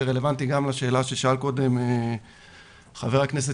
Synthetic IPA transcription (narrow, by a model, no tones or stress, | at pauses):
ʁele̞vant̪iɡamlaʃe̞ːlaʃeʃaalko̞d̪e̞me | χave̞ʁaknes̬e